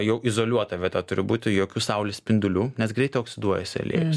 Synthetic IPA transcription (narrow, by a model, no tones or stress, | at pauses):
jɛʊʔɪzoːlʲuɔt̪ɐʋʲɛt̪ɛt̪ʊɾʲɪbuːt̪ʲɪjoːkʲuːsɐʊlʲɪsʲpʲɪnʲd̪ʲʊlʲuːnʲɛsɡɾʲɛɪt̪ɛɪoːksʲɪd̪uɔjɛsʲɪɐ̰lʲḛːjʊs